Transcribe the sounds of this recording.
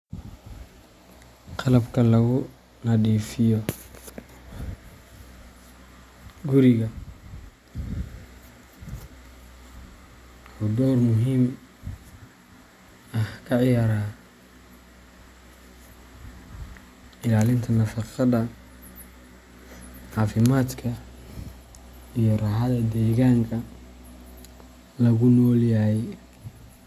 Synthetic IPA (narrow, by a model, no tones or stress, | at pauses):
qʰɑlɐbkʰɐlɐɣʊ | nɐɗiːfɪjɔ | ɡʊɾɪɣɐ | hud̪ɔwrmʊɦiːm | ɐhkʰɐʕjaːɾaː | ɪlaːlɪnt̪ʰɐnɐfɑqɑðɐ | ʕɑːfɪmaːd̪kʰɐ | ijɔrɑːɦɐðɐd̪ɛːɣaːŋkʰɐ | lɐɣʊnɔːljaɛ